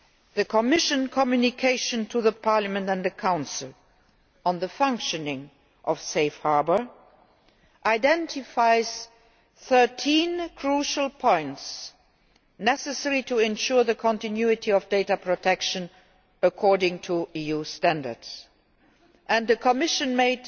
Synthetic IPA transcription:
ðəkʰɔmɪʃə̃nkʰɔmjunɪkʰeɪʃə̃ntʰuðəpʰɑɹləmə̃ntə̃nðəkʰãʊ̃nsɪlˠ | ə̃nðəfãŋkʃɨnɪ̃ŋ | ʔʌv̥seɪfhaɹbə˞ | ʔaɪdɛ̃ntʰɪfaɪz̥ | θɜ˞tʰĩnkʰɹ̥uʃəlˠpʰɔ̃ɪ̃nts | nɛsɛsɛɹitʰuɛ̃nʃuɹðəkʰɔ̃ntɨ̃njuɨtʰiɔvdeɪtəpʰɹ̥otʰɛkʃə̃n | əkʰɔɹdɪ̃ŋtʰuijustæ̃ndə̰˞dz̥ | ʔɨ̃nðəkʰəmɪʃɨ̃nmeɪd

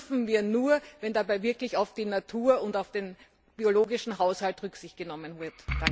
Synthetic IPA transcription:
fn̩viːɐnuːɐvɛndabaɪvɪɐklɪçaʊfd̥iːnatʰuːɐʊntaʊfd̥eːn | b̥ioloːɡɪʃn̩ɦaʊshaltʁʏksɪçt̚ɡ̥ənɔmənvɪɐtd̥a

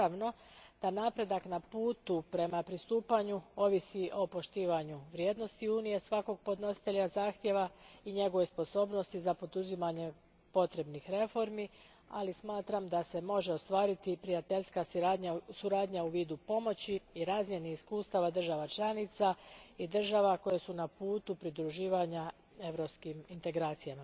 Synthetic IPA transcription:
aʋno̞ | d̪̥anapɾe̞d̪aknapuːt̪upɾe̞mapɾist̪uːpaɲuo̞ʋisiʔo̞po̞ʃt̪iːʋaɲuʋɾjeːd̪no̞st̪iuːnije̞sʋako̞ɡ̚po̞d̪no̞si̥t̪eʎazaːxt̪je̞ʋaiɲe̞ɡoʋo̞jspo̞so̞ːbno̞st̪izapo̞d̪uzimaɲe̞ | po̞t̪ɾe̞bnixɾe̞fo̞ɾmi | a̰lismaːt̪ɾamd̪ase̞mo̞ʒe̞o̞st̪ʋaːɾit̪ipɾijat̪eʎskad̪ɲasuɾaːd̪ɲauʋiːd̪upo̞mo̞t͡ɕiiɾaːzmjeniiskuːst̪aʋad̪r̩ʒaʋat͡ʃlˠanit̪said̪ɨr̩ʒaʋako̞je̞sunapuːt̪upɾid̪ɾuʒiːʋaɲa | e̞ʋɾo̞pskimint̪e̞ɡɾaːt̪sijama

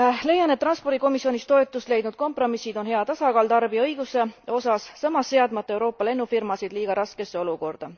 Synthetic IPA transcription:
le̞jɑnet̪ːrɑnspo̞rd̥̪ʲiko̞misio̞nʲist̪o̞et̪ːˑust̪le̞jd̪nud̪̚ko̞mpro̞misːid̪o̞nɦeɑt̪ɑsɑkɑːlt̪ɑrbiɤjɡ̥use̞o̞sɑsːɑmːɑsːe̞ɑd̪mɑt̪ːˑɑe̞wɾo̞ːpːˑɑle̞nːufirmɑsid̪liːɡ̥ɑɾʔɑske̞sːe̞o̞luko̞rd̪̥ɑ

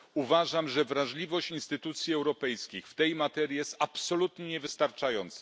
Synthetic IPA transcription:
uvaʐamʐɛvɾaʐlʲivɔɕt͡ɕinst̪ɘt̪ut̪sʲjiɛwɾɔpɛjskʲixft̪ɛjmat̪ɛɾʲjijɛst̪apsɔlut̪ɲɛɲɛvɘst̪aɾt͡ʂajɔnt̪sa

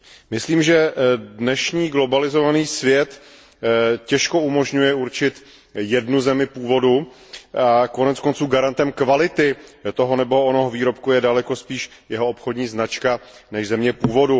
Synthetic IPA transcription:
mɪsliːmʒɛdnɛʃɲiːɡlo̞balɪzo̞vaniːsvjɛt̪ | cɛʃko̞umo̞ʒɲujɛuɾt͡ʃɪt̪ | jɛdnuzɛmɪpuːvo̞du | ako̞nɛt͡sko̞nt͡suːɡaɾant̪ɛmkvalɪt̪ɪt̪o̞ɦonɛbo̞onoɦoviːɾo̞pkujɛdalɛko̞spiːʃ | jɛɦoopxodɲiːznat͡ʃka | nɛʒzɛmɲɛpuːvo̞du

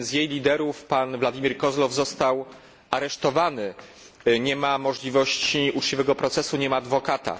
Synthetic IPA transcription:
zjejlʲid̪ɛɾufpanvlad̪ʲimʲiɾkɔzlɔvzɔst̪aw | aɾɛʂt̪ɔvanɘ | ɲɛmamɔʐlʲivɔɕt͡ɕiut͡ʂt͡ɕivɛɡɔpɾɔt̪sɛsuɲɛmaːd̪vɔkat̪a̰

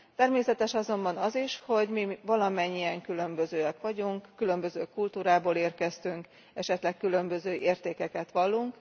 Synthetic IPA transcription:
t̪ɛrmeːsɛt̪ɛʃɒzo̞mbɒnɒziʃho̞ɟmivɒlɒmɛɲːijɛŋkylø̞mbø̞zøːɛkʋɒɟuŋkːylø̞mbø̞zøːkult̪uːɾaːboːleːrkɛst̪yŋk | ɛʃɛt̪lɛkkːylø̞mbø̞zøːʔeːrt̪eːkɛkɛt̪ʋɒlːuŋk

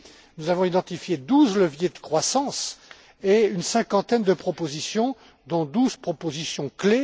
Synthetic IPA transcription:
nuzavɔ̃id̪ɑ̃t̪ifjed̪uzləvjed̪əkχwasɑ̃s | eynsɛ̃kɑ̃t̪ɛnd̪əpχɔpozisjɔ̃ | d̪ɔ̃d̪uzpχɔpozisjɔ̃kle

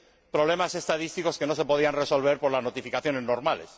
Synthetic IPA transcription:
pɾo̞βle̞mase̞st̪aðist̪iko̞ske̞no̞se̞poð̞ianre̞so̞lβ̞e̞ɾpo̞ɾlaznot̪ifikaθjo̞ne̞zno̞ɾmale̞̰s

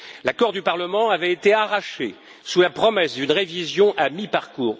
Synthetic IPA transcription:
lakɔʁd̪ypaʁləmɑ̃avɛet̪eaʁaʃḛ | sulapχɔmɛsd̪ynʁevizjɔ̃ʔamipaʁkuːʁ

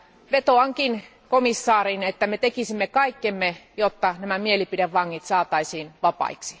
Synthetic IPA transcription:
ʋet̪oɑŋkin | komisːɑːrinet̪ːæmet̪ekisimːekɑikːemːejot̪ːɑnæmæmielipideʋʋɑŋːit̪sɑːt̪ɑisiːnʋɑpɑ̰iksi̥

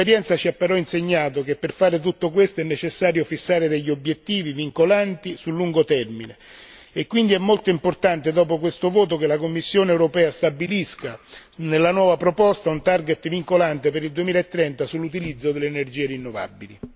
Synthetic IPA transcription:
eɾjɛnt̪sat͡ʃiapːeɾɔinseɲːaːt̪ok̟epːerfaːɾet̪̬ut̪ːokwest̪oɛnːet͡ʃesːaːɾjofisːaːɾed̪eʎːobjet̪ːiːviviŋkolant̪isulːuŋɡot̪ɛrmine | ekːwind̪iɛmːolt̪oimport̪ant̪ed̪ɔːpokwest̪ovoːt̪̬okelakomːisːjoːneɛwɾopɛːast̪abiliskanelːanwɔːvapɾopɔst̪aunt̪arɡet̪ːviŋkolant̪epeɾild̪uemiːlaet̪ːɾɛnt̪asulːut̪̬ilid̪zːod̪elːenerd͡ʒiːeɾinːova̰bːili

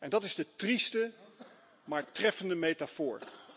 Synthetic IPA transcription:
ɛndɑtɪzdətristə | maːɹtrɛfəndəmejtafʊ̰ːɹ

